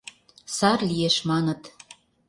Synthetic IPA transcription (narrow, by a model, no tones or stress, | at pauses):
sɑrlijeʃmɑnə̆t̪